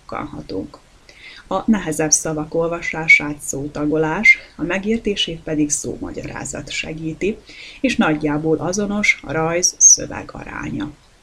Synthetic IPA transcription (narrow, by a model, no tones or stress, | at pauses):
kːɒ̰nɦɒ̰t̪ṵŋk | ɒnɛɦɛzɛbsɒvɒko̞lvɒʃaːʃaːt̪soːt̪ɒɡo̞laːʃɒmɛɡiːrt̪eːʃeːt̪̚pɛd̪ikso̰ːmɒ̰ɟɒɾa̰ːzɒ̰t̪ʃɛ̰ɡiːt̪ieːʃnɒɟːaːboːlʔɒzo̞no̞ʃɒɾɒjzsø̞̰vɛ̰ɡɒ̰ɾa̰ːɲɒ